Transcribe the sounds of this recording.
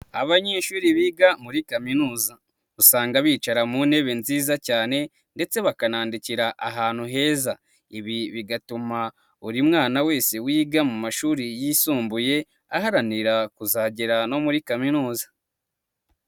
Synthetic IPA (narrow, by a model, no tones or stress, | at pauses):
a̰βaɲeʃuːɾiβiːɡamuɾikaminuːza | usaːŋɡaβiːt͡ʃaɾamune̞βe̞nziːzacaːne̞ | nde̞t͡se̞βakanaːndiciɾaʔaɦaːn̥huɦe̞ːza | iβiβiɡatuma | uɾimŋaːnawe̞ːse̞wiːɡamumaʃuːɾijisuːmbuje̞ | ahaɾaniɾakuzaːɟeɾano̞muɾikaminuːzḁ